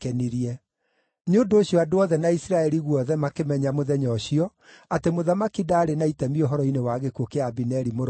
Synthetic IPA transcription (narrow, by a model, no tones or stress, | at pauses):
kɛniɾiɛ | ɲondoːɕiɔadoɔðɛnaisiɾaɛɾiɣwɔðɛmakemɛɲamoðɛɲɔɕiɔ | atemoðamakidaːɾenaitɛmioɦɔɾɔinewaɣekokeabinɛɾimoɾ